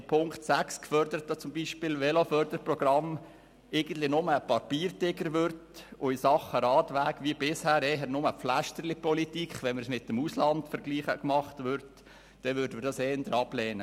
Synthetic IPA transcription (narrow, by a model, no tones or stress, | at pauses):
pʰʊŋktsækskfœɾd̥̪əɾət̪ːot͡sʊmbiːʃpɪːlʋɛlofœɾdəɾprɔɡ̥rɑm | eɪɡ̥ən̩t̪lɪnʊməːpɑɾpiːɾtɪɡəɾʋʏɾtʊɪsɑχəɾɑːtʋæːkʋiəbɪshæːɾɛɦəɾnʊməflæʃtəɾlipɔlitikχʋɛnməɾsmɪtːəmuslɑndfəɾɡliːχəkmɑχtʋʏɾt | d̥ɛʋʏɾdəməɾdɑsɛːnd̪əɾɑblɛːnə